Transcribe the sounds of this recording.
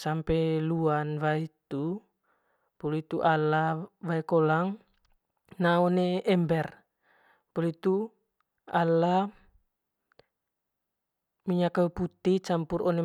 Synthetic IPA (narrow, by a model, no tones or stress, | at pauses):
sampɛluanvait̪u | pulit̪uʔalavaikolaŋ | naɔneɛmbɛr | pulit̪u | ala | miɲakaput̪it͡ʃampurɔne